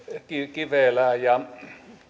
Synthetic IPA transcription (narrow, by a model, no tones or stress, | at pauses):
kikiʋelæjɑ